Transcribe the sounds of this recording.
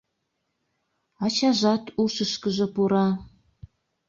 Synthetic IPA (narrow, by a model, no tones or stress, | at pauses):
ɑt͡ɕɑʒɑt̪uʃəʃkəʒɤ̆puɾɑ